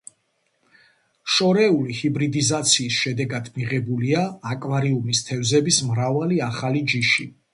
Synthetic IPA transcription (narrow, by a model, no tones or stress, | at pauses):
ʃɔɾɛulihibɾid̪izat̪sʰiːsʃɛd̪ɛɡad̪miʁɛbuliaːkʼwaɾiumist̪ʰɛvzɛbismɾavaliaχalid͡ʒiʃi